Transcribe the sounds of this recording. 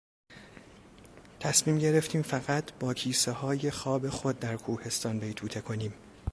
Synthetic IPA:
t̪ʰæsmiːmɟe̞ɾe̞ft̪ʰiːmfæɣæt̪ʰb̥ɒːcʰiːsehɒːje̞xɒːbe̞xod̪̚ːæɾkʰuːhe̞st̪ɒːnbe̞jt̪ʰuːt̪ʰe̞kʰo̞niːm

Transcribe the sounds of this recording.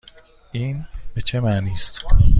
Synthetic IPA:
ʔiːnb̥e̞t͡ʃʰe̞maʔniːst̪

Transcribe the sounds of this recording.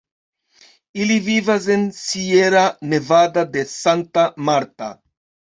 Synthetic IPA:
ilivivazensieɾanevad̪ad̪esant̪amaɾt̪a̰

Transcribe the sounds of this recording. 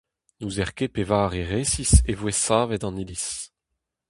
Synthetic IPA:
nuːzɛʁkepevaːʁeʁeːsisevwesaːvɛtɑ̃nilis

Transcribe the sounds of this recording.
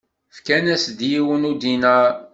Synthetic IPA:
fkænæsd̪jiwənud̪inæ

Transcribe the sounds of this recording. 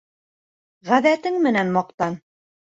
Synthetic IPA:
ʁæðæt̪ɘŋmɘ̆nænmɑq̚t̪ɑn

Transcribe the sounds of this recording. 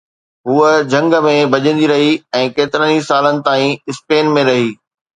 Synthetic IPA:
ɦuːəd͡ʑʱɐ̃ŋɡə̆mẽbʱɐʄə̃nd̪iɾɐɦiɛ̃ːkeːt̪ɪɾənisaːlənɪ̆t̪aːĩɪspeːnmẽɾɐɦiː

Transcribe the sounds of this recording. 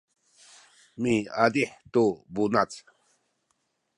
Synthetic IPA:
miad̪iħt̪ubunat͡s

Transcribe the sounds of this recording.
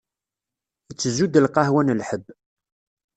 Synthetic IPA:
ət͡sːəzud̪əlqɑhwænəlħəbː

